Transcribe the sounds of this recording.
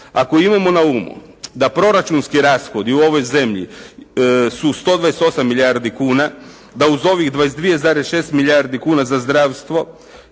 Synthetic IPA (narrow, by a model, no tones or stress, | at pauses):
akoimamo̞naumṵd̪apɾo̞ɾat͡ʃunskiɾaːsxo̞d̪iuo̞ʋo̞jze̞mʎḭ | sust̪o̞d̪ʋajest̪o̞samːiʎjaɾd̪ikuːna | d̪auzo̞ʋiɣd̪ʋajesd̪ʋijezaːɾesʃe̞ːst̪miʎʲjaɾd̪ikuːnazazd̪ɾaːʋst̪ʋo̞